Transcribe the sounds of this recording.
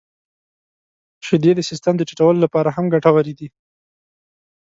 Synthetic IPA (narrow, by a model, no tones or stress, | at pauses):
ʃɪd̪ed̪əsɪst̪əmd̪ət͡ʃḁʈawəlolapɑɾaɦamɡaʈawaɾid̪i